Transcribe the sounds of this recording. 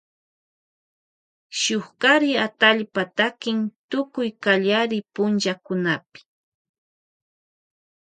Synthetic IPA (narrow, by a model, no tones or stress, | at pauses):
ʃʊχkaɾɪat̪aʎpat̪akɪŋt̪ʊkʊjkaʎaɾɪpʊnt͡ʃakʊnapɪ̥